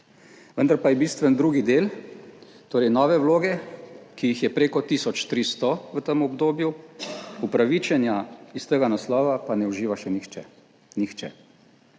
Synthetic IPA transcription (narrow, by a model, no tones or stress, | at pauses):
ʋənd̪aɾpajɛbiːst̪ʋɛnd̪ɾuɡid̪eːl | t̪oːɾɛjnɔːʋɛwloːɡɛkijixjɛpɾeːkɔt̪iːsɔt͡ʃt̪ɾiːst̪ɔʋət̪əmɔbd̪oːbju | upɾaʋit͡ʃɛnjaist̪əɡanaslɔːʋapanɛuʒiːʋaʃɛnixt͡ʃɛ | nixt͡ʃɛ̰